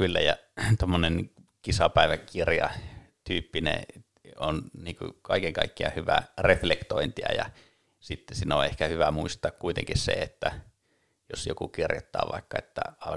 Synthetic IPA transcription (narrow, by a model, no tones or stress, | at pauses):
kylːæjɑ | t̪omːonen | kisɑpæiʋækirjɑ̰ | t̪yːpːinḛ | onniːkṵkɑikeŋkɑikːiɑhyʋæ̰reflekt̪oint̪iɑ̰jɑ | sit̪ːesino̰ehkæhyʋæmuist̪ˑɑːkkuit̪ḛŋkissḛet̪ːæ | josjo̰kukirjot̪ːɑ̰ːʋɑ̰ˑikːɑet̪ːæ̰ɑl